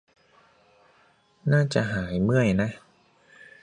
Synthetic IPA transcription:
naː˥˩t͡ɕa˨˩ʔɦaː˩˦jmɯ˥˩əjna˦˥

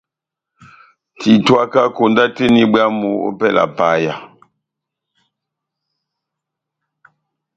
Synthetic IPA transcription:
tʰi˨twa˦ka˦ko˨nda˦te˦ni˦ba˦mu˨˦o̰˦pɛ˦˨lʔa̰˨pa˨˦ja˨

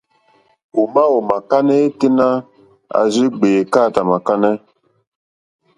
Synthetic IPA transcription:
u˨ma˦o˨ma˨ka˦nɛ˦ki˦na˦ | a̰˨zi˦ɡ͡be˨ka˦˨ta˨ma˨ka˦nɛ˦

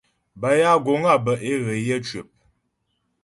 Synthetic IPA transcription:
ba˨ja˦ɡo˨ŋa˦˨bə˨ʔe˦ɣə˨jə˦t͡ʃɥe˨p̚

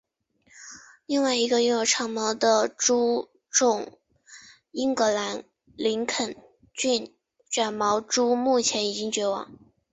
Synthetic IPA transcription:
li˥˧ŋwa˥˩ɪi˧˥ɡə˧y˥˩˧ŋjo˧˨˩ʈ͡ʂʰɑ˥ŋmɑ˧˥ʊd̪ə˧ʈ͡ʂu˥ | ʈ͡ʂʊ˨˩ŋ | i˥ŋkɤ˧˥la˧˥n | li˧˥ŋkʰə˨˩n | t͡ɕy˥˩n | t͡ɕɥa˨˩nmɑ˧˥ʊʈ͡ʂu˥mu˥˩t͡ɕʰjɛ˧˥ni˨˩t͡ɕi˥ŋt͡ɕɥɛ˧˥wɑ̰˨˩˦ŋ

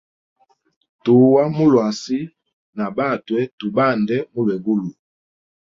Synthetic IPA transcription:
tu˨wa˦mu˦lwa˨si˦ | na˨ba˦˨twɛ˦tu˨ba˦˨ndɛ˦mu˦lwɛ˨ɡu˦lu˨

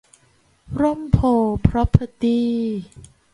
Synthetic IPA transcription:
ɾo˥˩˨mpʰoː˨˩pʰɾɔ˦˥pʰə˧˩t̪iː˥˩

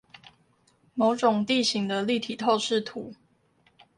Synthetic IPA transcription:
mo˧˥ʊʈ͡ʂʊ˨˩ŋt̪i˥˨ɕi˧˥ŋd̪ə˧li˥˨t̪ʰi˨˩t̪ʰo˥˧ʊʂɻ̩˥˨t̪ʰu˨˩˦

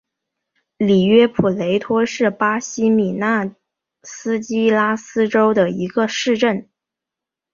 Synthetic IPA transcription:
li˨˩ɥɛ˥pʰu˨˩le˧˥ɪt̪ʰwɔ˥ʂɻ̩˥˩pa˥ɕi˥mi˨˩na˥˩ | sɹ̩˥t͡ɕi˥la˥sɹ̩˥ʈ͡ʂo˥ʊd̪ə˨i˧˥ɡə˧ʂɻ̩˥˧ʈ͡ʂə˥˩n

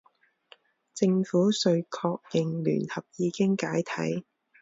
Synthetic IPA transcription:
t͡sɪ˧ŋfuː˨˥sɵ˧ɥkʰɔː˧k̚jɪ˨ŋly̰ː˨˩nhɐ˨p̚jiː˨˧kɪ˥ŋkaː˨˥jt̪ʰɐ̰˨˥j

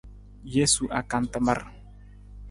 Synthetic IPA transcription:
je˦su˨ʔa˨ka˨nt̪a˨ma˨r

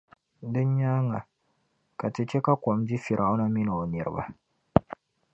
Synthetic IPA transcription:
dɨ˦ɲ˦ɲaː˦ŋa˨ | ka˨tɨ˨t͡ʃɛ˦ka˦ko˨mdi˦fi˨ɾʔa˨ʔʊ˦na˦mi˦nɨ˨o˨nɨ˨ɾɨ̰˦ba̰˦

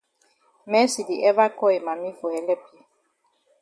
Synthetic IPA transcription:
mɛ˦si˨di˨ʔɛ˦va˦kɔ˦e˨ma˨mi˦fo˨hɛ˨lɛ˦pli˨

